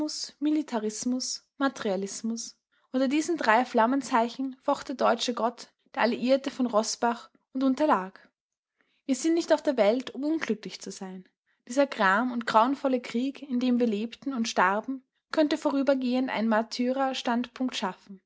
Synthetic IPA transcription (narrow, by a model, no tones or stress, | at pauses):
ʊsmilitʰaʁɪsmʊs | matɛʁialɪsmʊs | ʔʊntɐdiːzn̩dʁaɪflamənt͡saɪçn̩fɔχtd̥ɛɐdɔʏt͡ʃəɡɔt | d̥eːɐaliʔiːɐtəfɔnʁɔsb̥aχ | ʊntʊntɐlaːk | v̥iːɐzɪntnɪçtaʊfd̥eːɐvɛltʊmʊnɡlʏklɪçt͡suzaɪn | d̥iːzɐɡʁaːmʊntɡ̥ʁ̥aʊənfɔləkʁ̥iːkɪndeːmviːɐleːptn̩ʊntʃtaʁbm̩ | kʰœntəfoːʁyːbɐɡeːəntʔa̰ɪnənmatʰyːʁaʃtantpʰʊŋktʃafn̩